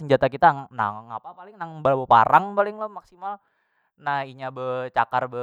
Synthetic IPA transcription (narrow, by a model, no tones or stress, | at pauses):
səɲd͡ʒat̪akit̪ana̰ŋapapalɪŋnaŋbəlabəpa̰ɾaŋpalɪŋləmaksimal | naiɲabət͡ʃakarbə